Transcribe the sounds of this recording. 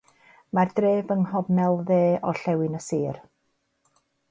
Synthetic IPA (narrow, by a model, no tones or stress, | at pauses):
mardreːvəŋhɔvnɛlˠðeːɔɬɛwɪnəsiːr